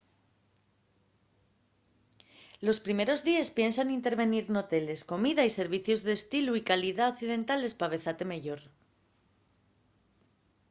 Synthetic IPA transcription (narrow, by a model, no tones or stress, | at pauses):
lo̞spɾime̞ɾo̞zðiespje̞nsanint̪e̞ɾβe̞niɾno̞t̪e̞le̞sko̞miðaise̞ɾβ̞iθjo̞zðe̞ːst̪iluikaliðaokθiðe̞nt̪ale̞spaβ̞e̞θat̪e̞meʝo̞ɾ